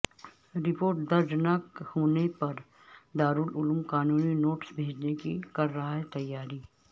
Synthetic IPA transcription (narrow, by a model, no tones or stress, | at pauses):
ɾɪpoːɾʈd̪ɐɾd͡ʒnaːkhoːnepɐɾ | d̪aːɾʊːlʊlmkaːnuːninoːʈsbʱeːd͡ʒnekḭkɐɾːɐɦaɦɛt̪ɐjːaːɾiː